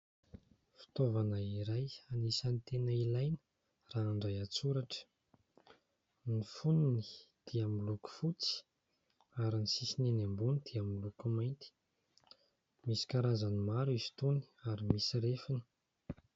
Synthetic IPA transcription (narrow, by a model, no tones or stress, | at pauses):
fi̥t̪ovanəiɾajanisanit̪enəilajnə̥ | raːɳɖ͡ʐajat͡suɾaʈ͡ʂə̥ | nifuninid̪̥iamiluku̥fut͡si̥ | aɾinisisinenambunid̪̥iamilukumajnt̪i̥ | misi̥kaɾazanimaɾuizi̥t̪uni̥aɾimisiɾefini̥